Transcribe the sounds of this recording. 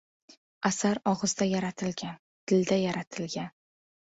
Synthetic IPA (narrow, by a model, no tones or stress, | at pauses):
asaɾɒʁɨzd̪ajaɾat̪ʰɪlɡʲan | d̪̥ɪld̪ajaɾat̪ʰɪlɡʲan